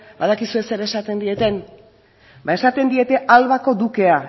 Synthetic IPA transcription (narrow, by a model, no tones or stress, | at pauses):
baðakisue̞se̞ɾe̞sat̪e̞nd̪ie̞t̪e̞n | bae̞sat̪e̞nd̪ie̞t̪e̞ʔalβako̞d̪uke̞a